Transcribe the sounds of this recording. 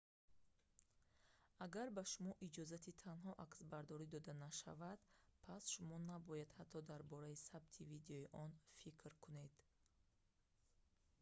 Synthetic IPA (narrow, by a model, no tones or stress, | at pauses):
aɡaɾbaʃumɔʔid͡ʒɔzat̪ʰit̪ʰanɦɔʔaksbaɾd̪ɔɾid̪ɔd̪anaʃa̰vad̪̥pʰasʃumɔnabɔjad̪hat̪ʰːɔd̪aɾbɔɾaisabt̪ʰivid̪eɔiʔɔnfikʰɾkʰune̞d̪̥